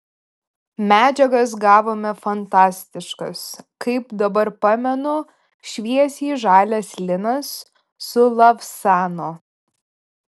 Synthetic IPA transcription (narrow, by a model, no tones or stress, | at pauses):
mʲæːd͡ʒʲɛɡɐs̬ɡɑːʋoːmʲɛfɐnt̪ɑːsʲt̪ʲɪʃkɐskɐɪpd̪ɐbɐɾpɑːmʲɛnʊ | ʃʲʋʲiɛsʲiːʒɑːlʲɛsʲlʲɪnɐsː | ʊlˠɐfsɑːnoː